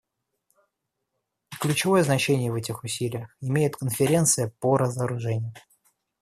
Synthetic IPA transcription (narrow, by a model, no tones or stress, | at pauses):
klʲʉt͡ɕɪvo̞jəznɐt͡ɕenʲɪjəvɛtʲɪxʊsʲilʲɪjəxɪmʲejɪt̪kənfʲɪɾʲe̞nt̪sɨjəpoɾəzəɾʊʐɛnʲɪjʊ